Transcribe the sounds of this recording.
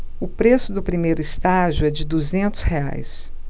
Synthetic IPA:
ʊpɾesʊd̪ʊpɾimejɾʊist̪aʒʊɛd͡ʒɪd̪uzẽnt̪ʊshea̰js

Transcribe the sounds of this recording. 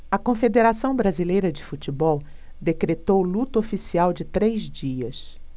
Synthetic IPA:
ɐkõfed̪eɾasɐ̃w̃bɾazilejɾɐd͡ʒɪfut͡ʃibɔw | d̪ekɾet̪owlut̪ʊofisiawd͡ʒɪt̪ɾejzd͡ʒiɐs

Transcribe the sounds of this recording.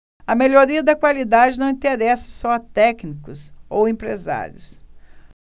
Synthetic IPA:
ɐmeʎoɾiɐd̪ɐkwalid̪ad͡ʒɪnɐ̃w̃ĩt̪eɾɛsɪ̥sɔɐt̪ɛknikʊsowẽpɾḛza̰ɾjʊs

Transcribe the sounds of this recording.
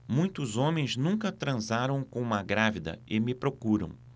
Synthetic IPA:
mũj̃t̪ʊzõmẽj̃znũŋkɐt̪ɾɐ̃zaɾɐ̃w̃kõũmɐɡɾavid̪ɐ̰ɪmɪpɾokuɾɐ̰̃w̃

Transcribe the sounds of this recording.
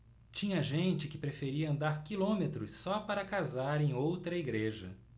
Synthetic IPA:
t͡ʃĩɲɐʒẽnt͡ʃɪkɪpɾefeɾiɐɐ̃nd̪aɾkilõmet̪ɾʊsːɔpaɾɐkazaɾẽj̃owt̪ɾɐiɡɾeʒɐ̰

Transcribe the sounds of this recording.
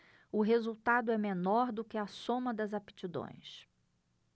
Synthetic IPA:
ʊɦezuwt̪ad̪ʊɛmenɔɾd̪ʊkɪɐsõmɐd̪ɐzape̥t͡ʃid̪õ̰j̃s

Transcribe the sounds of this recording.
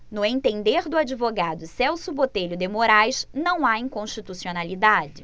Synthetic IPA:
nʊẽnt̪ẽnd̪eɾd̪ʊad͡ʒivoɡad̪ʊsɛwsʊbot̪eʎʊd̪emoɾajʃnɐ̃w̃aĩŋkõʃt͡ʃit̪usionalid̪ad͡ʒɪ

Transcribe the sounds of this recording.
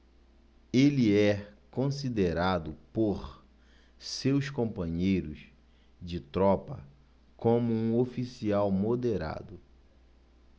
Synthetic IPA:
eliɛkõsid̪eɾad̪ʊpoɾ | sewskõmpɐ̃ɲejɾʊs | d͡ʒɪt̪ɾɔpɐ | kõmʊũofisiawmod̪eɾa̰d̪ʊ

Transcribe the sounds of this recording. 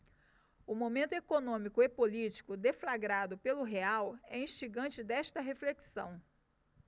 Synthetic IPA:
ʊmõmẽnt̪ʊekonõmikʊepolit͡ʃi̥kʊd̪eflaɡɾad̪ʊpelʊɦeawɛĩʃt͡ʃiɡɐ̃nt͡ʃɪd̪ɛʃt̪ɐɦefleksɐ̰̃w̃

